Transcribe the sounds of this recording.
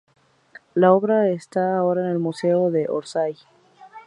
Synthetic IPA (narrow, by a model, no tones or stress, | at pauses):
lao̞βɾaest̪aːo̞ɾaene̞lmuse̞oðe̞ʔoɾsaj